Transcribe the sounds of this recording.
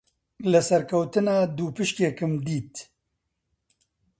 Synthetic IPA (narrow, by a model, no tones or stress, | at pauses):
lɨsɐɾkʰɐwt̪ɨnaːd̪uːpɨʃkeːkɨmd̪iːt̪